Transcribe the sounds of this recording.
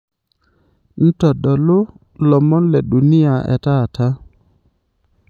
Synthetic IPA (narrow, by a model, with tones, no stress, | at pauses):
n̩˦tɔ˨dɔ˨lo˦ | lɔ˨mɔ˦nlɛ˨ɗu˨ni˦a˨ɛ̰˨ta˦˨tʰa˦